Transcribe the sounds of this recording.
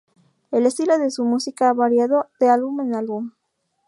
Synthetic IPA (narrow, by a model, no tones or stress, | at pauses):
elest̪iloðesumusikaaβaɾjaðod̪̥ealβumenalβum